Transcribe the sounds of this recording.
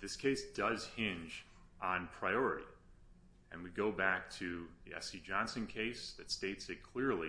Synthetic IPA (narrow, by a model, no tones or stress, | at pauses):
ðɪskʰeɪsd̥ʌz̥hɪ̃nd͡ʒ̃ | n̩pʰɹ̥aɪɔɹɨɾḭ | ɨ̃nwiɡoʊbæk̚tʰɨðiɛ̰sid͡ʒɑ̃nsɨ̃nkʰeɪsðɨtsteɪtsɨkʰl̥ɪɹlˠi